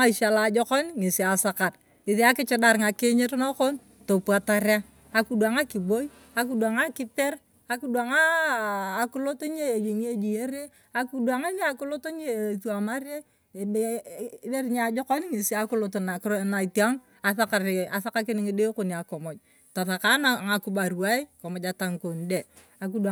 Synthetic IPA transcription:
a˦i˨ʃa˨la˨˦d͡ʒɔ˦kɔ˦nŋi˨si˨a˨sa˨ka˨r | ɪ˨ði˦a˦kɪ˦t͡ʃɪ˦da˨ɾŋa˨kɪ˦ɲɪ˦ɾno˦ko˦n | to˨pu˨a˨ta˨ɾa˦ | a˨ku˦dua˨ŋa˦ki˨bo˦i˦ | a˨˦ku˦da˨ŋa˦kɪ˦pe˦r | a˦ku˦dwa˨ŋaː˦˨ | kʊ˦lo˦to˦ɲe˦˨d͡ʒi˨ŋ˦e˦d͡ʒi˨je˦ɾe˦ | a˦ku˦dua˨ŋa˦ne˦a˨ku˦lo˦to˦ɲe˦˨θu˦a˨ma˦ɾe˦˨˦ | be˦ɾɲa˨d͡ʒo˦ka˦nɪ˦ŋi˨si˦a˦ku˦lo˦to˨na˨kna˨i˨ti˦a˦ŋ | a˨θa˦ka˨ɾa˨θa˦ka˦kɪ˦nɪ˦ŋi˦de˦ko˦ni˨a˨ko˨mo˨t͡ʃ̚ | ta˨θa˨ka˦na˨ŋa˨ku˦ba˨ɾu˨a˦i˦ko˨mɔ˨d͡ʒa˨ta˨ŋko˨n˦de˨ | a˨k̬u˦da˨

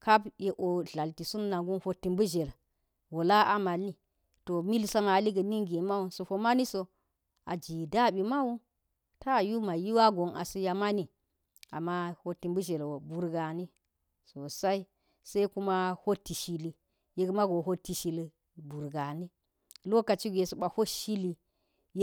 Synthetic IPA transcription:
ka˦bje˨ʔo˨ɮa˨lti˨su˦nːa˨ŋɡu˦nho˦tːi˨mbu˦ʒe˨l | wo˨la˦ʔa˦ma˨lːi˦ | to˨mi˦lsa˦ma˨li˦ɡə˨ni˦ŋɡi˨ma˦wu˨nso˨fo˨ma˦ni˦so˨ | a˨d͡ʒi˨da˦ɓi˨ma˦wu˦n | ta˦˨ju˦ma˨ji˦wa˦ɡo˨ŋa̰˨su˦ja˨ma˦ni˨ | a̰˨ma˦ho˦ti˨mbu˦ʒe˨lwo˨bu˨ɾɡa˨ni˦ | so˨sa˦i˦ | sa˦i˦ku˦ma˦ho˦ti˨ʃi˦li˦ | je˦ɡma˦ɡo˨ɦo˦ti˨ʃi˨l | bu˨ɾɡa˨ni˦ | lo˦ka˨t͡ʃi˦ɡʷe˨su˨ɓa˨ho˦ʃi˦li˦ | j

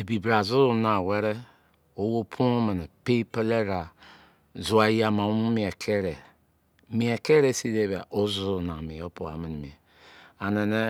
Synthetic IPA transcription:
e˨bi˨bɾa˨zu˦na˨we˦ɾe˦ | o˦wo˦pʰu˦me˨ne˨pe˦pe˦le˦ɾa˨ | zu˨˦a˨˦ja˨ma˨˦u˦mi˨e˨kʰe˦ɾe˨ | mi˨e˨ke˦ɾe˦si˦de˦ba̰˨ʔo˦zu˦˨na˨mi˨jo˦po˨a̰˨mi˨n˨mi˨e˨ | a˨ne˨ne˦

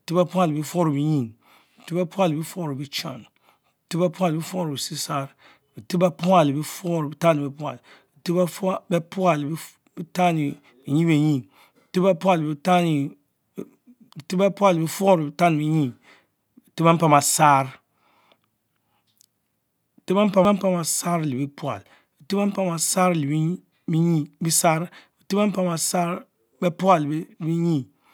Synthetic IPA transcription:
bi˨ti˦ba˦pu˦a˦˨lbi˦fo˦ɾbi˨ɲi˦˨ŋ | bi˨ti˦be˦pu˦a˦lbi˦fo˦˨ɾi˨bi˦t͡ʃa̰˨n | bi˨ti˦be˦pu˦a˦˨lbi˦fo˦˨ɾi˨si˦sa˦ɾ | bi˨ti˦ba˦pu˦a˨li˨bi˦fɔ˦ɾbi˦ta˦ni˨be˨pu˦a˨l | bi˨ti˦ba˦fbe˦pu˦a˨lbi˦ | bi˦ta˦ni˨ | bi˨ɲĩ˦be˨ɲĩ˨ | bi˨ti˦ba˦pu˦a˦˨lbi˦ta˦ni˨ | ti˦ba˦pu˦a˦˨lbi˦fo˦ɾbi˨ta˦n˨bi˦ɲi˦˨ | bi˨ti˦ba˦m˦pa˨ma˨saː˦ɾ | ti˦ba˦m˦pa˦a˦m˦pa˦ma˨sa˦ɾli˨bi˦pu˦a̰˨l | bi˨ti˦a˦m˦pa˦ma˨sa˦ɾli˨b | bi˦ɲi˦˨bi˦sa˦ɾbi˨ti˦ba˦m˦pa˦ma˨sa˦ɾ | bɛ˦pu˦a˨lbbi˦ɲi˦˨

